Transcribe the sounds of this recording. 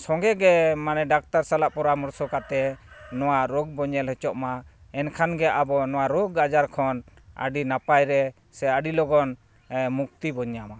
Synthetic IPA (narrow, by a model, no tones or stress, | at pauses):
sɔŋɡɛɡɛmanɛɖak̚t̪aɾsalaʔpɔɾamɔɾsɔkat̪ɛnɔwaɾɔɡ̚bɔɲɛlɦɛt͡ʃɔʔmaɛnkʰanɡɛʔabɔnɔwaɾɔɡad͡ʒaɾkʰɔnə̰ɖinapajɾɛ | sɛəɖilɔɡɔn | muk̚t̪ibɔɲama